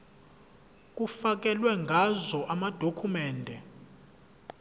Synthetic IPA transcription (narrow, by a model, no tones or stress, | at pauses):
k̬ʼufak̬ɛlwɛŋɡʱazɔʔamad̥ʱokʰumɛːndʱɛ